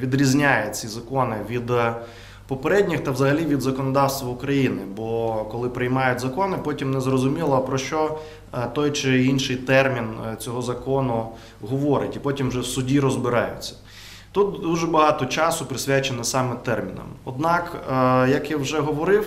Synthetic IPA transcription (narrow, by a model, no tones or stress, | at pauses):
ʋʲid̪ɾʲizʲnʲajɛt͡sʲizɐkɔnɪʋʲid̪ | pɔpeɾɛdʲnʲixt̪ɐwzɐɦɐlʲiʋʲid̪zɐkɔnɔd̪ɑwst̪ʋɐʊkɾɐjinɪbɔkɔlˠɪpɾɪjmɑjʊtʲzɐkɔnɪpɔtʲimnɛzrɔzʊmʲilˠɐpɾɔʃt͡ʃɔ | t̪ɔjt͡ʃɪinʃɪjt̪ɛrmʲint͡sʲɔɦɔzɐkɔnʊ | ɦɔʋɔɾɪ̰tʲipɔtʲimʒɛwsʊdʲiɾɔzbɪɾɑjʊ̰t͡sʲːɐ̥ | t̪ut̪̚d̪uʒɛbɐɦɑt̪ɔt͡ʃɑsʊpɾɪsʲʋʲat͡ʃenɛsɑmɛt̪ɛrmʲinɐ̰mɔd̪nɑkjɐkiwʒɛɦɔʋɔɾɪw